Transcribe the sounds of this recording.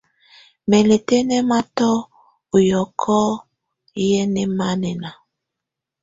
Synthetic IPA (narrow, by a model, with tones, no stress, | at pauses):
mɛ˨le˨te˦nɛ˦ma˦tɔ˦ | u˨jɔ˨kʰɔ˦ | jɛ˦nɛ˦ma˦nɛ˨na˨